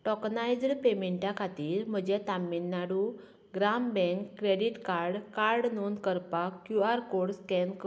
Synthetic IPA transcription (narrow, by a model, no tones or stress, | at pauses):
ʈɔknajd͡zɽpemeɳʈjakʰat̪iːɾm̤əd͡ʑɛt̪amːinːaɽu | ɡɾambɛ̃ŋkːɾeɽiʈkaɾɽkaɾɖnond̪kəɾpakːjuaɾkoɽskɛnk